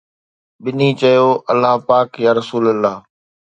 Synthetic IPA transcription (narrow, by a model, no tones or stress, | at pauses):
ɓɪniːt͡ʃɐjoːʔɐlːaɦpaːkjaːɾəsuːləlːaː